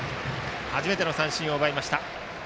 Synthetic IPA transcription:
haʑime̞t̪eno̞sãɰ̃ɕĩo̞ːbaimaɕi̥t̪a

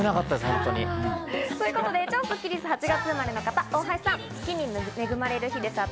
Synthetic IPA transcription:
ɯnakat̪ːad̪eshõ̰nt̪oɲit̪oːjɯ̟ko̞t̪o̞d̪e̞t͡ɕoːkɯkʲiɾʲisɨhat͡ɕiɡat͡sɨmaɾe̞no̞kat̪aõːɦaii̥sãŋ | kʲiɲʲimme̞ɡɯ̟maɾe̞ɾɯ̟çid̪e̞sa

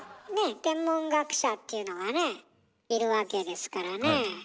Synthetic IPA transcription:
ne̞t̪ẽ̞mːõŋɡakɯ̥ɕat̪ːe̞ɯ̟no̞ɡane̞ | iɾɯ̟βake̞d̪e̞sɨ̥kaɾane

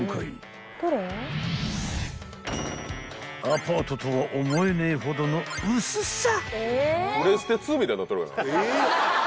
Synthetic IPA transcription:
kaḭ | t̪oɾe | apaːt̪o̞t̪o̞βaʔomo̞enaiɦo̞d̪o̞no̞ɯssa | ɯɾesɨ̥t̪et͡sɨːmʲit̪ainat̪ːoɾɯka̰na̰

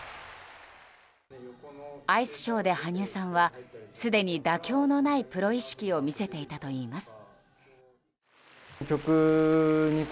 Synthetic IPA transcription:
aisɨ̥ɕo̞ːd̪e̞haɲ̟ɨːsãɰ̃βasɨd̪e̞ɲ̟id̪akʲo̞ːno̞naipɯ̟ɾo̞iɕi̥kʲio̞mʲise̞t̪e̞it̪at̪o̞iːmasɨ̥ | kʲo̞kɯ | ɲ̟i

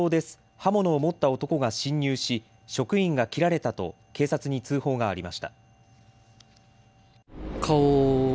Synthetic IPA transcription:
oːd̪e̞sɨ̥ | hamo̞no̞ːmo̞t̪ːao̞t̪o̞ko̞ɡaɕĩɲʲːɨːɕi | ɕo̞kɯ̟ĩŋɡakʲiɾaɾe̞t̪at̪o̞̰ | ke̞ːsat͡sɨɲ̟it͡sɨːho̞ːɡaːɾʲimaɕi̥t̪a | kʰao

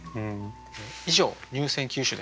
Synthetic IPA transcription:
ɯ̃ | eiʑo̞ːɲ̟ʲɨːsẽ̞ŋkʲɨːɕɨd̪e

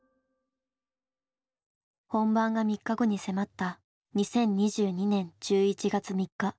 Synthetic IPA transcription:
hõ̞mbãŋɡamʲikːaɡo̞ɲ̟ise̞mat̪ːa | ɲ̟isẽ̞ɲ̟ʲːiʑɨːɲ̟inẽ̞ɲd͡ʑɨːit͡ɕiɡat͡sɨmʲikːa

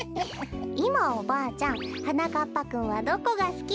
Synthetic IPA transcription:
imaobaːt͡ɕãŋ̃hanakapːakɯ̟̃ɰ̃βad̪o̞ko̞ɡasɨ̥kʲi

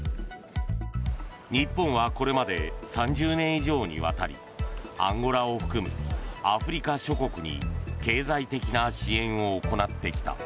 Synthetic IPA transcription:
ɲ̟ipːõ̞ɰ̃βako̞ɾe̞mad̪e̞sãɲ̟d͡ʑɨːnẽ̞ɰ̃iʑo̞ːɲ̟ḭβa̰t̪aɾʲḭ | ã̰ŋɡo̞ɾao̞ɸɯ̟̥kɯ̟mɯ̟̰aɸɯ̟ɾʲikaɕo̞ko̞kɯ̟ɲḭke̞ːzait̪e̞kʲinaɕiẽ̞ɰ̃o̞ːko̞nat̪ːe̞kʲi̥t̪a̰

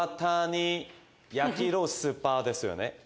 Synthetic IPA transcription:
t̪aɲ̟i | jakʲiɾosɨpːaːd̪e̞sɨjo̞̰nḛ

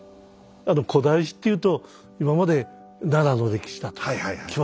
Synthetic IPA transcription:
ano̞kʰo̞d̪aiɕ̬i̥t̪ːe̞jɯ̟ːt̪o̞ | imamad̪e̞ | naɾano̞ɾe̞kʲi̥ɕi̥d̪at̪o̥kkʲiβa

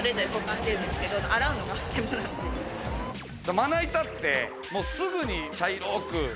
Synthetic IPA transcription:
ɾed̪oɾekokːãɕi̥t̪eɾɯ̃nd̪eske̞d̪oaɾaɯ̟noɡazembɯnat̪ːejɯ | d̪omanait̪at̪ːe̞ | moːsɨɡɯɲ̟it͡ɕaiɾoːkɯ̟

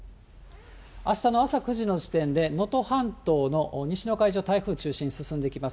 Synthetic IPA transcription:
aɕi̥t̪ano̞asakɯ̟ʑino̞d͡ʑi̥t̪ẽ̞nd̪e̞no̞t̪o̞hãnt̪o̞ːno̞ɲ̟iɕino̞kaiʑo̞ːt̪aiɸɯ̟ːt͡ɕɨːɕĩɲːisɨsɨ̃nd̪e̞ikʲimas

